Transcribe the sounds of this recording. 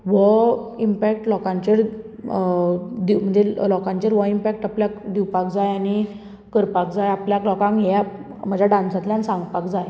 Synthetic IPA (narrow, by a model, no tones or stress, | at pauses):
ʋɔimpɛkʈlɔkãɲt͡ɕeɾ | d̪im̤əɳd͡zʱelɔkãɲt͡ɕeɾʋɔimpɛk̚ʈapljakd̪iwpakd͡zajani | kəɾpakd͡zajapljaklɔkãŋkɦa | m̤əd͡ʑʱaɖãnsat̪ljansãŋɡpakd͡zaj